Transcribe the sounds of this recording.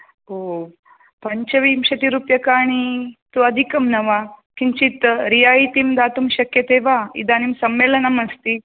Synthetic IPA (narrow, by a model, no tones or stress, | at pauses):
oː | pɐɲt͡ʃɐʋiːmʃɐt̪iɾuːpjɐkaːɳ̃it̪uɐd̪ʱikɐmnɐʋakiɲt͡ʃit̪ɾijaːjit̪imd̪aːt̪umʃɐkjɐt̪eːʋaːḭd̪aːnimsɐmːeːlɐnɐmɐst̪i